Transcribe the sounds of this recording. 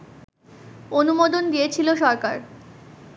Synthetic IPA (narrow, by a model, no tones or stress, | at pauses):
onumod̪ond̪ijet͡ɕʰiloʃɔɾkaɾ